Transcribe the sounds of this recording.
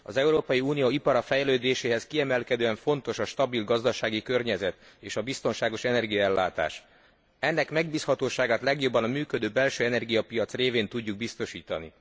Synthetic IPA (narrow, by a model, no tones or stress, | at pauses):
ɒ̰zɛuɾoːpɒjiuːnijoːipɒɾɒfɛjløːd̪eːʃeːɦɛskiɛmɛlkɛd̪øːɛɱfo̞nt̪o̞ʃɒʃt̪ɒbilɡɒzd̪ɒʃaːɡikø̞rɲɛzɛt̪ | eːʃɒbist̪o̞nʃaːɡo̞ʃɛnɛrɡijɒɛlːa̰ːt̪a̰ːʃ | ɛnːɛkmɛɡ̚biːshɒt̪oːʃaːɡaːt̪lɛɡjo̞bːɒnɒmyːkød̪øːbɛlʃøːɛnɛrɡijɒpijɒt̪sreːveːnt̪uɟːuɡ̚bist̪o̞ʃiːt̪ɒ̰nḭ